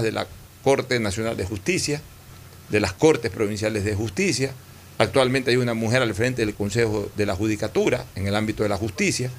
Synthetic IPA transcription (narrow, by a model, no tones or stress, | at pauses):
ðe̞lʔa̰ | ko̞ɾt̪enasjo̞na̰ld̪e̞xust̪isja | ðe̞lasko̞ɾt̪e̞spɾo̞βins̬jale̞zðexust̪isjaː | k̚t̪walmẽnt̪eajunamuxe̞ɾalfɾe̞nt̪e̞ðelko̞nsexoðe̞laxuð̞ikat̪uɾaeŋelambit̪oe̞laxust̪isja